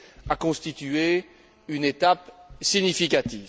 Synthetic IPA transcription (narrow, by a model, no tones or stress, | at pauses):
akɔ̃st̪it̪ye | ynet̪apsiɲifikʲat̪iːv